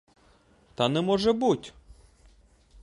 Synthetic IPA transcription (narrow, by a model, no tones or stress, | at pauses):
t̪ɑnɛmɔʒɛbutʲ